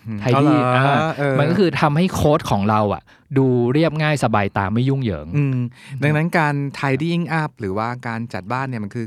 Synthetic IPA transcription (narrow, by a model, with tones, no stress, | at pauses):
t̪ʰaː˧jːʔaː˧˩ʔɤː˧ma˧nkɔː˥kʰɯː˧t̪ʰa˧mha˥˩jkʰoː˦˥t̪̚kʰɔː˩˦ŋɾa˧wʔa̰˨˩ʔ | duː˧ɾi˥˩əp̚ŋaː˥˩jsa˧baː˧jt̪a̰ː˧ŋmːa˥˩ju˥˩ŋjɤ̰ː˩˦ŋʔɯ˧mda˧ŋna˦˥nkaː˧nt̪ʰaː˧jdiː˥˩ʔi˥˩ŋʔa˦˥p̚ɾɯː˩˦waː˥˩kaː˧nt͡ɕa˨˩t̪̚baː˥˩nːi˥˩ma˧nkʰɯː˧